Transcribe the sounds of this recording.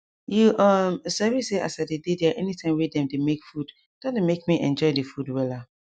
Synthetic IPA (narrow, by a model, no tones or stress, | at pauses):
juʔɔmsɛviseʔa̰sadededɛaʔɛnitʰãɪ̃mwɛdɛ̃mdemekfud | d̥ɔ̃demekmiʔɛ̰̃nd͡ʒɔɪdefudwɛla